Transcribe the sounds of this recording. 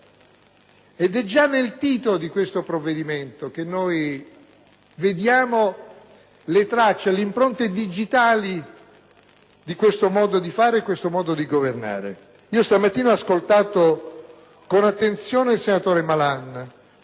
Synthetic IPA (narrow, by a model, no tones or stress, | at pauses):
ed̪ɛd͡ʒanːelt̪iːt̪olod̪ikwest̪opɾovːed̪iment̪ok̟enːoj | ved̪jaːmo | let̪ɾat͡ʃːelimpɾont̪ed̪id͡ʒit̪aːli | d̪ikwest̪omɔːd̪od̪ifaːɾeːkːwest̪omɔːd̪od̪iɡoverna̰ːɾḛ | iːost̪amat̪ːiːnaaskolt̪aːt̪o | konat̪ːent̪sjoːneilsenat̪oːɾemalan